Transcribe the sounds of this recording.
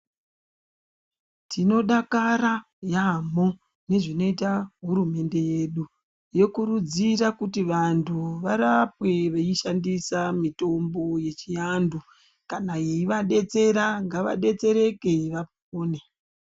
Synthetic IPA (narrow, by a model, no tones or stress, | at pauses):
tʰino̞ɗakaɾa | jamo | ne̞ʐino̞itaɦuɾume̞nde̞je̞ɗu | je̞kuɾud͡ziɾakutiʋantʰuʋaɾapwe̞ʋeiʃandisamito̞mbo̞je̞t͡ʃijandu | kanaeiʋaɗe̞t͡se̞ɾaŋɡaʋa̰ɗe̞t͡se̞ɾe̞ke̞ʋap | oːne